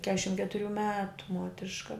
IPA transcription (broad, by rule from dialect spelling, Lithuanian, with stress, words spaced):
ˈkʲæːʃʲɪm kʲɛtʊˈrʲuː ˈmʲæːtʊ ˈmuɔtʲrʲɪʃkɐ